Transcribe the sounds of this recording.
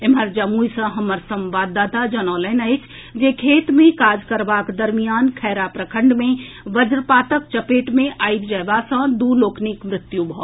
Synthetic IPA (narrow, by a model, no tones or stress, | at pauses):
eməɾd͡ʒəmujsə̃ɦəməɾsə̃mʋad̪ad̪ad͡ʒənɔːlənəjt͡ʃʰ | d͡ʒekʰeːt̪mẽkaːd͡ʒkəɾbakd̪əɾmijankʰɛɾapɾəkʰəɳɖmẽ | ʋəd͡ʒɾpaːt̪ək̚t͡ʃəpeʈmẽʔajb̚d͡ʒəbasə̃d̪uloːkʰnikmɾɪt̪jubʱɔ